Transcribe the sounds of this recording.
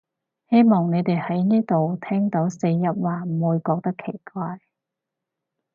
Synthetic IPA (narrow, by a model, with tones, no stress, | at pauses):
he˥jmɔː˨˩ŋne˨˧t̪e˨jhɐ˨˥jniː˥t̪o˨wt̪ʰɛː˥ŋt̪o˨˥wse˧jjɐ˨p̚waː˨˩m̩˨˩uː˨˧jkɔː˧k̚t̪ɐ˥kʰe˨˩jkʷaː˧j